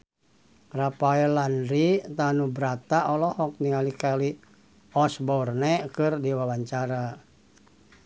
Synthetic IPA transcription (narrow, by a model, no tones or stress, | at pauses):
rapaɛlanɾit̪anubɾat̪aʔɔlɔhɔk̚nikalikali | ɔsbɔrnɛkɨrdiwawaɲt͡ʃaɾa